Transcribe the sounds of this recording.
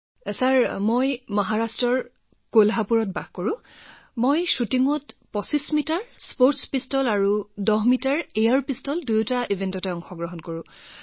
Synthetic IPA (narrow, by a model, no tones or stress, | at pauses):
saɹmojmɔɦaɹastɹɔɹ | kolɦapuɹɔt̚baɡkɔɹʊ̃ | mojsutiŋɔtpɔsismitaɹspoɹtspistɔlaɹudɔɦmitaɹejaɹpistɔldujtaʔivʱentɔtɛɔŋxɔɡɹɔɦɔnkoɹʊ̃